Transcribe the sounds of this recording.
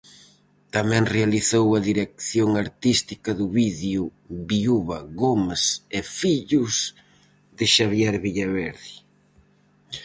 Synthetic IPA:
t̪amɛ̃ŋrealiθowɐðiɾek̚θjoŋaɾt̪ist̪ikɐðʊβiðju | βiuβɐɣomasefiʎʊs | ðɪʃaβjɛɾβiʎaβɛɾði

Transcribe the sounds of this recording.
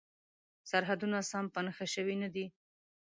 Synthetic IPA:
saɾɦad̪unasampənaxaʃəwinad̪i

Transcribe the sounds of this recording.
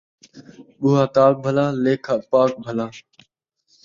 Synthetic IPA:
ɓuːɦaːt̪aːk̚bʱəlaːleːkʰaːpaːk̚bʱəlaː

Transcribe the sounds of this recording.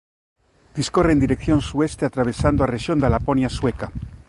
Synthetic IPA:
d̪̥iskoreːnd̪iɾekθjo̞nsuest̪eat̪ɾaβ̞esand̪oareʃjo̞nd̪alaponjasweka

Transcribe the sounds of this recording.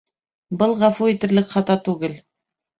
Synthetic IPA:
bɤlˠʁɑfuit̪ɘ̆ɾlɘkχɑt̪ɑt̪ʉɡɘl

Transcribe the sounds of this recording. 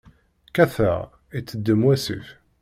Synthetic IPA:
kæθæ̰ʁ | it͡sːəd̪ːəmwæsḭf

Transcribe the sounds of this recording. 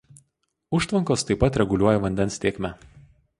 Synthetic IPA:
ʊʃt̪ʋɐŋkoːst̪ɐɪpːɐt̪ɾʲɛɡʊlʲuɔjɛʋɐnʲd̪ʲɛnsʲt̪ʲeːkʲmʲɛ

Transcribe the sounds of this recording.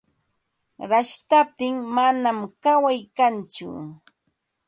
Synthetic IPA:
ɾaʃt̪ap̚t̪ɪŋmanamkawajkant͡ʃʊ̰

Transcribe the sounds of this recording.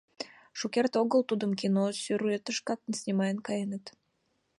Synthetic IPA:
ʃokʲert̪oɡəlˠt̪ud̪ə̆mkʲinosʲyɾuet̪əʃkɑk̪nsʲnʲimɑjənkɑjənət̪

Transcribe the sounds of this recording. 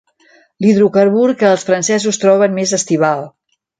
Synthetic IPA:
liðɾukəɾβuɾkəːlˠsfɾənsɛzust̪ɾɔβ̞ənmezəst̪iβ̞alˠ

